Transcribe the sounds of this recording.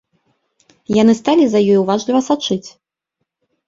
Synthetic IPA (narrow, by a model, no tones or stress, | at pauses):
janɨst̪alʲizɐjɔjuvaʐlʲivɐsat͡ʂɨt͡sʲ